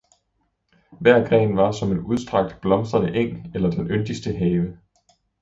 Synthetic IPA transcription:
ʋæɐ̰ɡ̥ʁɛ̰ːnʋɑ̈sɒ̽me̝nuð̞ˠsd̥ʁɑ̈ɡ̥̚d̥b̥lɒ̽msd̥ʁɐnəʔeŋ̰l̩elɐd̥enʔønd̥isd̥əɦɛːʋə

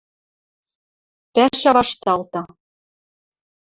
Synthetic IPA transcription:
pæʃɑβɑʃt̪ɑlt̪ɑ

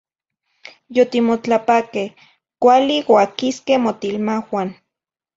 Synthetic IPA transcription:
jot̪imot͡ɬapakeh | kʷaliwakiskehmot̪ilmawan

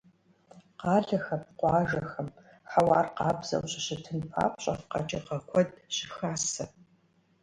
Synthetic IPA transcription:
qɑːɮɐxɐpqʷʼɑːʒɐxɐm | ħawɑːrqɑːbz̥ɐ̰wɕʼɪɕɪtʰɨnpʰa̰ːpɕʼɐfqɐ̰t͡ʃʼɐqɐkʷʰɔd̚ɕɪxaːsɐ

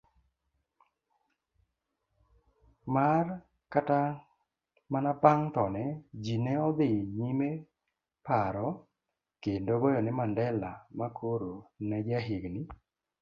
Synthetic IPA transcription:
mar | kata | manapaŋt̪ɔnɛd͡ʒinɛɔd̪ɪɲime | paɾɔ | kendoɡɔjɔnɪmandɛlamakʰoɾonɛd͡ʒaɦɪɡnɪ

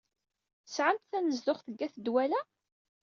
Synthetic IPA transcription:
ə̥sʕamt̪θænəzd̪ʊχθəɡːæθəd̪wælæ

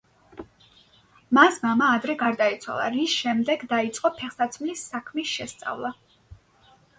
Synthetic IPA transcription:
masmamaːd̪ɾɛɡaɾd̪ait̪sʰwa̰lˠa̰ɾisʃɛmd̪ɛɡd̪ait̪sʼqʼɔpʰɛχsat̪sʰmlisːakʰmisʃɛst̪sʼa̰vlˠa

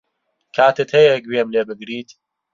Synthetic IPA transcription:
kʰaːt̪ɨt̪hɛjɛɡɥemleːbɨɡɾiːt̪

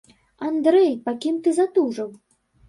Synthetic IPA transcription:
and̪ɾɛjpakʲimt̪ɨzat̪uʐɐw

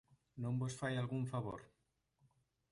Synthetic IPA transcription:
nõmbosfajalɣuɱfaβo̰ɾ

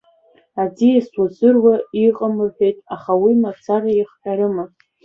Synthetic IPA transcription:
ad͡ziaswazɨrwaiqʼamɨħʷᶣejtʼaχawimapt͡sʰaraiχħʷᶣaɾɨma

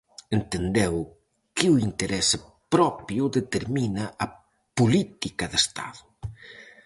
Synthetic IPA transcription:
ent̪end̪ew | kɪuint̪eɾɛsɪ | pɾɔpjʊðet̪eɾminɐʔɐ | pulit̪ikɐðest̪a̰ðʊ

